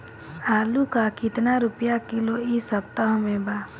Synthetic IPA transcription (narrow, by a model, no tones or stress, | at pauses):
aːlukakɪt̪naɾʊpjakɪloisəpt̪aɦmẽbaː